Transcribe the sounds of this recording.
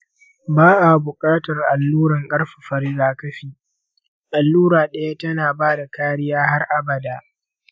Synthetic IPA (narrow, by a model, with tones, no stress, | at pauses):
baː˦ʔa˨bʊ˨kʼaː˦tɐ˨rʔa˨lːuː˦ɾɐ˨ŋkʼɐ˦rɸḁ˨ɸɐ˨ɾɪ˦zaː˨kɐ˦ɸiː˨ | ʔa˨lːuː˦ɾaː˨ɗɐ˦ja˦tɐ˦naː˨baː˦da˨kaː˦ɽɪ˦jaː˦ha˦rʔa˦bɐ˨daː˨